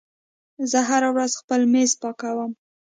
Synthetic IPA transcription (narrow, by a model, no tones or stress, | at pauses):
zəɦaɾawɾazxpəlmezpɑkawəm